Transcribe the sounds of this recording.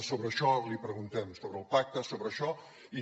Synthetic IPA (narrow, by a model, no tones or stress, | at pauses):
soβɾəːʃɔlipɾəɣunt̪ɛmsoβɾəːlˠpak̚t̪əsoβɾəːʃɔ | i